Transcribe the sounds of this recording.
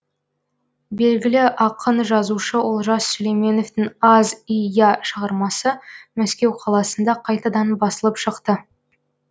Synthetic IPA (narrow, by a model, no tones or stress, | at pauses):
be̞lɡʲɪlɪʔɑqʰənʒɑzuʃəwolˠʒɑssɵlejme̞no̞ft̪ɪŋɑzijaʃəʁəɾmɑsəmæskʲe̞wqʰɑlˠɑsənd̪ɑqʰɑjt̪ɑd̪ɑnbɑsəlˠəpʃəqt̪ə